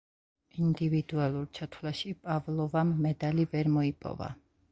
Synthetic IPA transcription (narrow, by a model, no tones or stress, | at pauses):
ind̪ivid̪ualˠuɾt͡ʃʰat̪ʰwlaʃipʼavlˠɔvamːɛd̪alivɛɾmɔipʼɔ̰va̰